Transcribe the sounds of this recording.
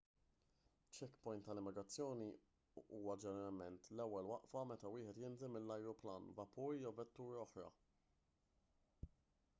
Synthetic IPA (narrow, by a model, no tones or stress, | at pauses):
t͡ʃːɛkːpɔjnt̪ːɐlɪmːɪɡɾɐt͡sːjɔːni | uːwɐd͡ʒɛnɛɾɐlmɛnt̪lɛwːɛlwɐʔfɐmɛt̪ɐwɪːħɛt̪jɪnzɛmːɪlːɐjɾʊplɐːnvɐpuːɾjɔvɛt̪ːuːɾɔħɾɐ̰